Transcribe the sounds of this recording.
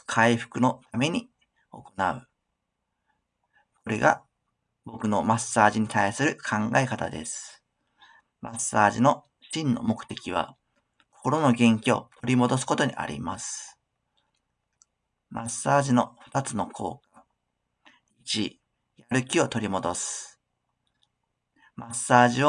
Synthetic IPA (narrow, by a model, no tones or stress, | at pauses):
kʰaiɸɯ̥kɯ̟no̞t̪ame̞ɲ̟i | o̞ko̞naɯ̟ | kʰo̞ɾe̞̰ɡa̰ | bo̞kɯ̟no̞masaːʑiɲ̟it̪aisɨɾɯ̟kʰãŋɡa̰e̞kat̪a̰d̪e̞̰sɨ̥ | mʔasːaːʑino̞ | ɕĩnːo̞̰mo̞kɯ̟̥t̪e̞kʲiβ̞a̰ | ko̥ko̞ɾo̞no̞ɡẽ̞ŋkʲio̞̰t̪ʰo̞ɾʲimo̞d̪o̞s̬ɨ̥kot̪o̞ɲ̟ḭʔa̰ɾʲḭmasɨ̥ | mʔasːaːʑino̞ɸɯ̥t̪at͡sɨno̞kʰo̞̰ːka | it͡ɕi | jaɾɯ̟kʲio̞t̪o̞ɾʲimo̞d̪o̞sɨ̥ | masːaːʑio